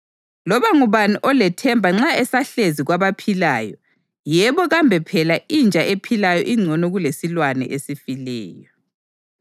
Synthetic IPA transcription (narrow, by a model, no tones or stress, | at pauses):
lɔβaŋuβaniʔɔlɛtʰɛmbʱaŋ͡ǁaɛsaɬeziɣwaβapʰilaːjɔ | jɛβɔɣambʱɛpʰɛlaʔind͡ʒʱaʔepʰilajɔ̰ʔiŋ͡ǀʱɔnɔɣulesilwanɛ̰ʔesifilɛ̰ːjɔ